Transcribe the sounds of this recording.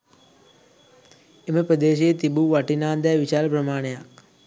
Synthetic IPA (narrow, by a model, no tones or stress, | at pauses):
eməpɾəd̪eːʃ̬ejet̪ibuʋaʈinaːnd̪ɛːʋiʃaːɾəpɾəmaːɳejak̚